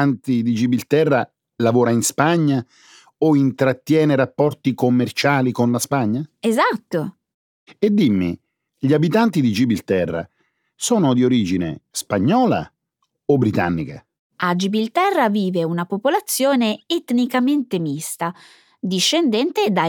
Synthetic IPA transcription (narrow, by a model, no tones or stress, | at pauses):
ant̪id̪id͡ʒibilt̪ɛrːa | lavɔːɾainspaɲːa | oint̪ɾat̪ːjɛːneɾapːɔrt̪ikomːert͡ʃaːlikonlaspaɲːaezat̪ːo | ed̪ːimːḭ | ʎiabit̪ant̪id̪id͡ʒibilt̪ɛrːa̰ | sɔːnod̪ioɾiːd͡ʒinḛspaɲːɔːla̰ | obːɾit̪a̰nːika̰ | ad͡ʒibilt̪ɛrːaviːveunapopolat̪sːjoːneet̪nikament̪emist̪a | d̪iʃːend̪ɛnt̪ed̪a